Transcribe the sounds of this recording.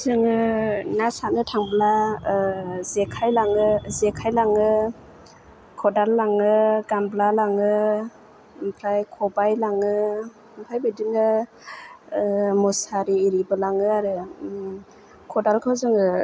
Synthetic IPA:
zɯŋɯnasatnɯtʰaŋbla | zekʰajlaŋɯzekʰajlaŋɯ | kʰɔdalːaŋɯɡamblalaŋɯ | mpʰɾajkʰɔbajlaŋɯ | mpʰajbedinɯ | mɔsaɾiːɾibɯlaŋɯaɾɯ | kʰɔdalkʰawzɯŋɯ

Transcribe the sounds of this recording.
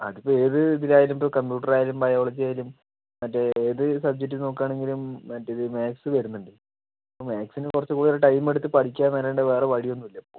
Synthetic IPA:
ɐ̰ðipːoːe̞ːðɨiðinaːjilumpoːkɐmpjuːʈ̬ːɐraːjalumbɐjoːɭɐd͡ʑiaːjalum | mɐtːeeːðɨsɐb̚d͡ʑek̚ʈːɨno̞ːkːaːɳe̞ŋɡilumːɐtːeiðɨmaːksɨʋɐɾunːɐndɨ | ɐpːoːmaːksinɨkurɐt͡ɕːɨkuːɽioɾeʈɐjme̞ɽut̪ːɨpɐʈʰikʲːaːnʋɐɾeːɳɖeʋeːreʋɐɻijo̞nːuʋilːɐpːoː

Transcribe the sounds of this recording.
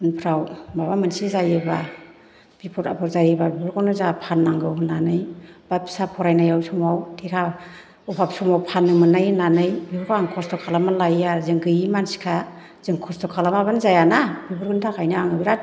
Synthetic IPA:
ɯnpʰɾawmabamɯnsizajɯba | b̥ipʰɔtapʰɔɾzajɯbabibɯɾkʰɔnɯzapʰanːaŋɡɯwnanɯjbḁsapʰɔɾajnajawsɔmawtʰekʰa | ɔpʰapsɔmawpʰanːɯmɯnajnanɯjbibɯɾkʰaaŋkʰɔstɔkʰalamalajazɯŋɡɯjimansi̥kʰa | zɯŋkʰɔstɔkʰalamabanzajanabibɯɾɡɯntʰakʰajnɯaŋɯbiɾat̚

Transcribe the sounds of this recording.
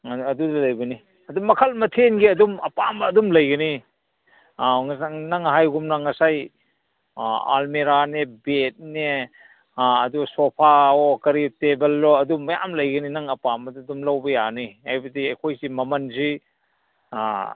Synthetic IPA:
ɐdudalɐjbɐni | ɐdumɐkʰɐlmɐtʰenɡiɐdumɐpamːdumlɐjɡɐni | naŋɦajɡumnaŋɐsaj | a̰lmeɾanebet̚ne | ɐdusopʰaokɐɾitebelːɔɐdumːɐja̰mlɐjɡɐninaŋɐpamɐdudumlawbɐjaniajbɐdiɐkʰojsimɐmɐnzi

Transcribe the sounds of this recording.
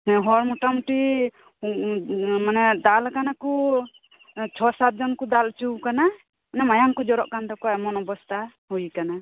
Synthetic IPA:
ɛɦɔɾmuʈamʈi | manɛd̪alkanaku | t͡ʃʰɔsat̪̚d͡ʒɔnkud̪alt͡ʃuwkana | anɛmajaŋkɔd͡ʒɔɾɔ̰ʔkand̪ɔkɔɛmɔnɔbɔst̪ʰa | hujkana

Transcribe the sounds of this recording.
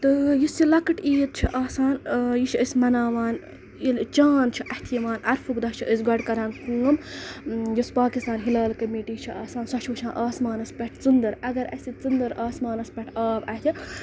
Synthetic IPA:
t̪ɨjisilɐkɨʈiːt̪̚t͡ʃʰiʔaːsaːnjiʃʰiəsʲmɐnaːʋaːn | jilt͡ʃaːnt͡ʃʰiʔɐht̪ʰijɐʋaːnɐɾfukd̪ɐht͡ʃʰiʔəsɡɐɖkɐɾãːnkɨŋɐm | jispaːkist̪aːnɦilaːlkɐmiːʈiːt͡ʃʰiaːsaːnsɐt͡ʃʰut͡ʃʰãːnʔaːsmaːnɐspʲɛʈʰt͡sɨnd̪ɨɾɐɡɐɾɐ̰sʲit͡sɨnd̪ɐɾaːsmaːnɐspʲɐʈʰaːbɐt̪ʰʲi

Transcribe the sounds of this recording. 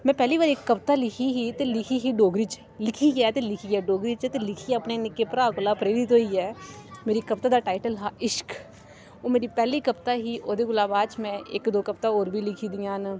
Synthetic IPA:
mɛ̃ːpɛːlibaːɾeːkːɐpt̪alɪkʰiɦit̪elɪkʰiɦiɖoːɡɾit͡ʃ | lɪkʰiɛt̪elɪkʰiɛɖoːɡɾit͡ʃt̪elɪkʰiɐpnenɪkːepɾaːkʊlapɾeːɾɪt̪t̪oɦiɛːmeːɾikɐpt̪ad̪aːʈaːɪʈəlɦaːʔɪʃk | oːmeːɾipɛːlikɐpt̪aɦiʔoːd̪eːɡʊlaːbaːt͡ʃmɛ̃ʔḛːkd̪oːkɐp̚t̪aoːɾbʱilɪkʰid̪ɪjãːn

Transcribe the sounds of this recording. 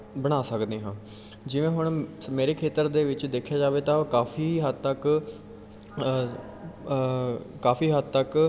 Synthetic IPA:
bəɽ̃aːsəkd̪eːɦãː | d͡ʒɪʋẽːɦʊɳmeːɾeːkʰeːt̪əɾd̪eːʋɪt͡ʃd̪eːkʰjaːd͡ʒaːʋeːt̪ãːkaːfʰiːɦəd̪t̪ək | kaːfʰiːɦəd̪̚t̪ək

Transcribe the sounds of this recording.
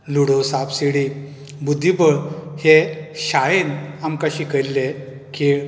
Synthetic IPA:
luɽosapsiɽi | bud̪ʱːibəɭheɕajenamkaɕiːkəɾle | keɭ

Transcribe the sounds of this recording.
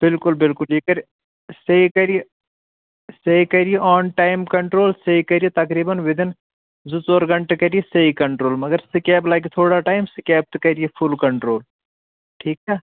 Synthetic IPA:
b̥ɪlkʊlbɪlkʊljekɐɾ | sɐikɐɾije | sɐikɐɾijeʔɔːnʈaːɪmkɐɳʈɾoːlsɐikɐɾijet̪ɐkɾiːbɐnʋɪd̪ɪn | zut͡sɔːɾɡɐ̃ɳʈekɐɾijesɐikɐɳʈɾoːlmɐɡɐɾsɪkɛːblaːkit̪ʰoːɽaʈaːɪmsɪkɛːp̚t̪kɐɾijepʰʊlkɐɳʈɾoːl | ʈʰiːkɛː

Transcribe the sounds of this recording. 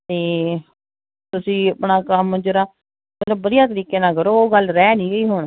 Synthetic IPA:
t̪eː | t̪ʊsĩːəpɳaːkəmd͡ʒəɾaː | mət̪ləbːəd̪ijaːt̪̬əɾiːkeːnaːkəɾoːɡəlɾɛːnĩːɡəiːɦʊɳ

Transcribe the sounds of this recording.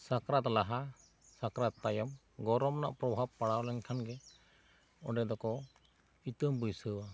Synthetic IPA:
sakɾat̪laɦa | sakɾat̪ːajɔm | ɡɔɾɔmna̰ʔpɾɔbʱab̚paɽawlɛɲkʰanɡɛ | ɔɖɛd̪ɔkɔ | it̪əmbəjsəwa

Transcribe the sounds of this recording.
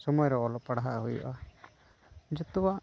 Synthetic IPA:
sɔmɔjɔɾɔɔlɔpaɽaɦaʔɦujṵʔa | d͡ʒɔt̪ɔwa

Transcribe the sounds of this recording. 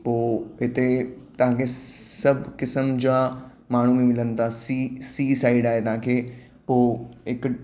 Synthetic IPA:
poːɦɪt̪e | t̪ɐʋ̤ãːkʰesɐbʱkɪsəmd͡ʑaː | maːɳ̤umẽmɪlənɪ̆t̪ʰasisiːsaːɪɖaːɦet̪ɐʋ̤ãːkʰeː | poːɪk

